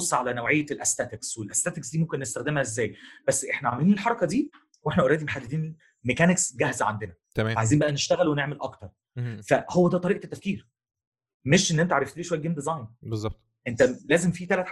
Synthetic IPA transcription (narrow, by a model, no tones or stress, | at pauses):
osˤːʕalænæwʕejːælʔæst̪æt̪ekswelʔæst̪æːt̪eksd̪iːomkenːest̪æxd̪æmhæʔezːæːjb̥æsːʔeħnæʕamæliːnelħɑɾˤɑkɑd̪iː | weħnæʔoɾˤæːd̪imeħad̪ːed̪iːn | mekæneksɡæhzæʕa̰nd̪enæaʕajziːmbæʔæneʃt̪æɣælweneʕmelʔɑkt̪ɑɾˤ | fæhowːæd̪æːt̪ˤɑɾiːʔt̪ːæfkiːɾ | meʃʔenːʔent̪æʕaɾˤeft̪eleʃoæjːæɡemd̪ezɑjnbezˤːɑbt̪ˤ | ʔent̪ælæːzemfit̪ælæt̪ħ